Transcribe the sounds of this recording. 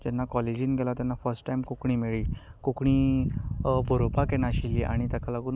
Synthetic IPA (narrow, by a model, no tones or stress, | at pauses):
d͡ʑɛnːakɔled͡ʑiːnɡʱɛlat̪janːafəɾsʈʈajmkokɳiːmiɭiː | kokɳiː | bʱoɾopakɛnaɕilːiʔa̰ɽ̃it̪akʰalakun